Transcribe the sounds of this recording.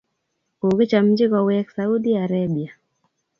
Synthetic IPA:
ko˨kɪ˦t͡ʃa˨m̩d͡ʒi˦kɔ˨wɛ˦ksa˨u˦di˦aɾabi˨a˨

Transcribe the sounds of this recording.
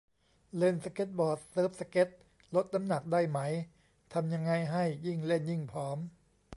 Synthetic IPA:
le˧˥˩nsa˧ke˦˥t̪̚bɔː˨˩t̪̚sɤː˦˥p̚sa˧ke˦˥t̪̚ | lo˦˥t̪̚na˦˥mna˨˩k̚da˥˩jma˦˥j | t̪ʰa˧mja˧ŋːa˧jɦa˥˩jːi˥˩ŋle˥˩nji˥˩ŋpʰɾɔː˦˥m

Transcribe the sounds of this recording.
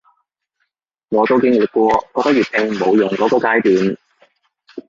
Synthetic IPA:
ŋɔː˨˧t̪wkɪ˥ŋyː˨˩t̚kʷɔː˧kɔː˧t̪ɐ˥kjyː˨˩t̚hɪ˧ŋmo˨˧wjʊ˨˩ŋkɔː˨˥kɔː˧kaː˧˥jt̪yː˨˧˥n

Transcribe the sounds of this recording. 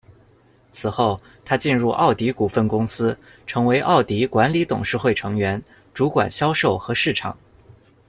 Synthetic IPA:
t͡sʰɹ̩˨˩xo˥˩ʊ | t̪ʰa˥t͡ɕi˥˧nɻu˥˧ʔɑ˥˩ʊt̪i˧˥ku˨˩fə˥˩nkʊ˥ŋsɹ̩˥ | ʈ͡ʂʰɤ˧˥ŋwe˧˥ɪʔɑ˥˩ʊt̪i˧˥kwa˧˥nli˧˥t̪ʊ̰˨˩ŋʂɻ̩˥˧xwe˥˩ɪʈ͡ʂʰɤ˧˥ŋɥɛ˧˥n | ʈ͡ʂu˧˥kwa̰˨˩nɕjɑ˥ʊʂo˥˩ʊxɤ˧˥ʂɻ̩˥˩ʈ͡ʂʰɑ̰˨˩˦ŋ

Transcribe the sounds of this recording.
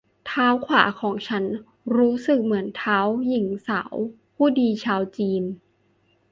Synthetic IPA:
t̪ʰaː˦˥wkʰwa̰ː˩˦kʰɔː˨˩˦ŋt͡ɕʰa˦˥n | ɾuː˦˥sɯ˨˩k̚mɯ˩˦ənt̪ʰaː˦˥wji˨˩˦ŋsa̰ː˩˦w | pʰuː˥˩diː˧t͡ɕʰaː˧wt͡ɕiː˧n

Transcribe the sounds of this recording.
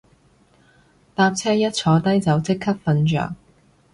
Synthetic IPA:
t̪aː˧p̚t͡sʰɛː˥jɐ˥t̚t͡ʃʰɔː˨˧˥t̪ɐ˥jt͡sɐ˨˧wt͡sɪ˥kʰːɐ˥p̚fɐ˧nt͡ʃœ̰ː˨˩ŋ

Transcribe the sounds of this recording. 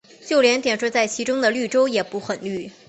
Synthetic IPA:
t͡ɕjo˥˩ʊljɛ˧˥nt̪jɛ˨˩nʂɔ˥˧t͡sa˥˩ɪt͡ɕʰi˧˥ʈ͡ʂʊ˥ŋd̪ə˨ly˥˩ʈ͡ʂo˥ʊjɛ˨˩pu˧˥xə˨˩nly˥˩

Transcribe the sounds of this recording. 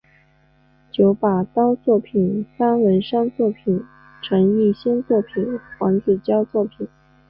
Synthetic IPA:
t͡ɕjo˧˥ʊpa˨˩t̪ɑ˥ʊt͡swɔ˥˩pʰi˨˩nfa˥nwə˧˥nʂɑ˥ŋt͡swɔ˥˩pʰi˨˩n | ʈ͡ʂʰɤ˧˥ŋy˥˩ɕjɛ˥nt͡swɔ˥˩pʰi˨˩nxwɑ˧˥ŋt͡ɕɛ˨˩t͡ɕjɑ˥ʊt͡swɔ˥˩pʰi˨˩˦n

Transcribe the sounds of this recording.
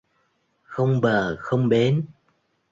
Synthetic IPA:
xə˧wŋ͡mɓəː˨˩xə˧wŋ͡mɓe˨˦n

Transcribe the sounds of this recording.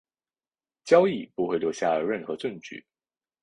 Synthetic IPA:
t͡ɕjɑ˥ʊi˥˩pu˧˥xwe˥˩ɪljo˧˥ʊɕja˥˩ə˧ɻə˥˩nxɤ˧˥˦ʈ͡ʂə˥˧ŋt͡ɕy̰˥˩˦

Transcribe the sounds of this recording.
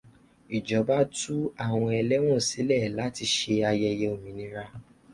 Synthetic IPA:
i˨d͡ʒɔ˨˦ba˦tu˦a˦˨w̃ɔ̃˧ɛ˧lɛ˦w̃ɔ̃˦˨si˨˦lɛ˦˨la˨˦ti˧ʃe˧a˧jɛ˧jɛ˧o˨mĩ˨nĩ˦ɾa˧

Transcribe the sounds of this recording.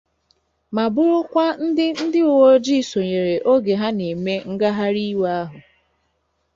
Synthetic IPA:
ma˨bʊ˦ɾʊ˦kʷa˦n̩˦dɪ˦n̩˦dɪ˦o˨wo˦d͡ʒi˦˨so˨ɲe˨ɾe˨ʔo˦ɡe˨ɦa˦ne˨me˦ŋ̩˦ɡa˦ɦa˦ɾi˦wa˦ɦʊ˨

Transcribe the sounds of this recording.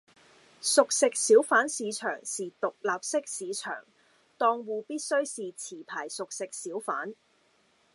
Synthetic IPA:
sʊ˨k̚sɪ˨k̚siː˨˥wfaː˨˥nsiː˨˧t͡ʃʰœ̰ː˨˩ŋsiː˨t̪ʊ˨k̚laː˨p̚sɪ˥k̚siː˨˧t͡ʃʰœ̰ː˨˩ŋ | t̪ɔː˧ŋwuː˨˧piː˥t̚sɵ˥ɥsiː˨t͡sʰiː˨˩pʰaː˨˩jsʊ˨k̚sɪ˨k̚siː˨˥wfa̰ː˨˥n

